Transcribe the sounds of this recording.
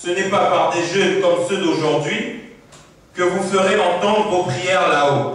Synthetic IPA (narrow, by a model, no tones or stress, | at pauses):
sənɛpapaʁd̪eʒøkɔmsød̪oʒuʁd̪ɥi | kəvufəʁeɑ̃t̪ɑ̃d̪ʁvopχijɛʁlao